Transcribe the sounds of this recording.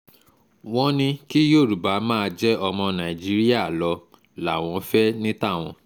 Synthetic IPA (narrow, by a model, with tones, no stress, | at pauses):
w̃ɔ̃˦nĩ˧ki˦jo˦˨ɾu˨ba˨˦mãː˦˧d͡ʒɛ˦ʔɔ˧mɔ̃˧nã˨i˨d͡ʒi˨˦ɾi˦a˦˨lɔ˧ | la˨w̃ɔ̃˧fɛ˦nĩ˦ta˦˨w̃ɔ̰̃˧